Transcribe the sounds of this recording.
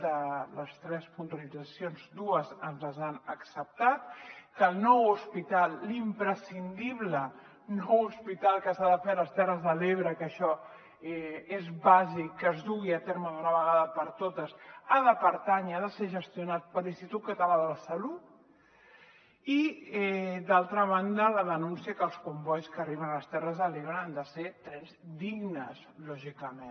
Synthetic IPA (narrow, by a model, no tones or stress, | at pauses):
d̪ələst̪ɾɛspunt̪uəlid͡zəsjonzd̪uəzənzləzanəksəp̚t̪at̪kəlˠnɔwuspit̪alˠimpɾəsind̪iβlə | nɔwuspit̪alˠkəsaðəfeələst̪ɛrəzðəleβ̞ɾəkəʃɔ | ɛezβazikːəzðuɣ̞iət̪eɾməðunəβəɣaðəpəɾt̪ot̪əsaðəpəɾt̪aɲəaðəseʒəst̪iunat̪̚pəlinst̪it̪ut̪̚kət̪əlaðələsəlut̪̚ | iɛd̪alˠt̪ɾəβand̪ələðənunsiəkəlˠskumbɔjskəriβənaləst̪ɛrəzðəleβɾəand̪əset̪ɾɛnzd̪iɣnəslɔʒikəmen